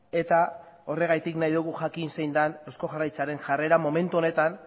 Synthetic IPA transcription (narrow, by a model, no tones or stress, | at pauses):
e̞t̪a | o̞re̞ɣajt̪iknajðuɣ̞uʝakinse̞jnd̪ane̞wsko̞ɣarajt͡saɾe̞nʝare̞ɾamo̞me̞nt̪uo̞ne̞t̪an